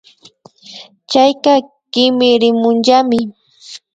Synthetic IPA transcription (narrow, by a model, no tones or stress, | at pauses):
t͡ʃajkɑ | kɪmɪɾɪmʊnʒamɪ